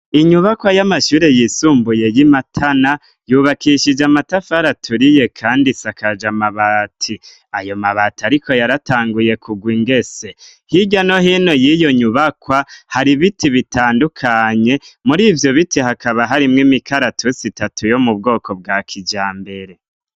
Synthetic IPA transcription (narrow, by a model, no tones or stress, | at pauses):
iɲuβakwajamaʃuːɾe̞jisuːmbuje̞jimatʰana | juːβakiʃid͡ʒamatafaɾatʰuɾije̞kʰaːndisakad͡ʒamaβatʰi | ajo̞maβatiaɾiko̞jaɾataːŋɡuje̞kʰuɡwiːŋɡe̞se̞ | hiɟano̞ɦino̞jijo̞ɲuβakwahaɾiβitʰiβitaːndukʰaɲe̞muɾiːvjo̞βitihakaβaɦaɾimŋimikaɾatʰusitatʰujo̞mub̚ɡo̞ːko̞bɡaːkʰid͡ʒaːmbe̞ɾe̞